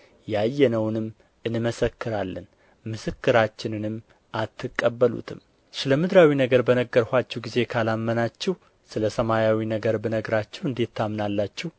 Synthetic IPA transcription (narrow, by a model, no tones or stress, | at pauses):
jajːɛnəwnɨmː | ɨnɨməsəkːɨɾalːən | mɨsɨkːɨɾat͡ʃːɪnɨnɨmː | ʔat̪ʰːɨkʼːəbːəlṵt̪ʰɨm | sɨləmɨd̪ɾawinəɡəɾbənəɡːəɾhʷat͡ʃːɛwɡize̞kʰalamːənat͡ʃːɛh | sɨləsəmajawinəɡəɾbənəɡɾat͡ʃːɛwɨnd̪e̞t̪ʰːamnalːat͡ʃːɛh